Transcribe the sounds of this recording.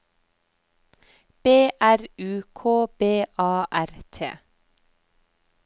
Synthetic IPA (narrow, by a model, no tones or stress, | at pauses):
b̥eːʔæɾʉːkʰoːb̥eːʔɑːʔæɾt̪ʰḛː